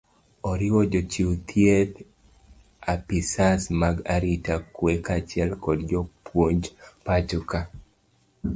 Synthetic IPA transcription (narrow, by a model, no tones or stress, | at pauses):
ɔɾɪwɔd͡ʒɔt͡ʃiwt̪ʰjet | apisasmaɡaɾitakwekat͡ʃɪɛlkɔdd͡ʒɔpwoɲd͡ʒpat͡ʃʊka